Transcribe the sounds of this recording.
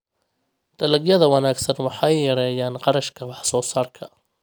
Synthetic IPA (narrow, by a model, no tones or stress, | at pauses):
d̪̥ɐlɐɡjɐðɐwɑnaːɡsɐnwɑħɑjjɐɾɛːjaːnqɑɾɐʃkʰɐwɑħsɔːsaːrkʰɐ